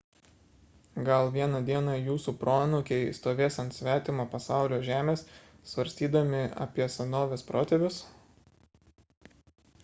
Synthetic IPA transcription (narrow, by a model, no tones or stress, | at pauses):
ɡɐlˠʋʲiɛnɐd̪ʲiɛnɑjuːsuːpɾoːnʊkʲɛɪst̪oːʋʲeːsɐnt̪ʲsʲʋʲæːt̪ʲɪmoːpɐsɑˑʊlʲoːʒʲæːmʲeːs | sʋɐɾʲsʲt̪ʲiːd̪ɐmʲɪɐ̰pʲiɛsʲɐnoːʋʲɛspɾoːt̪ʲɛbʲʊs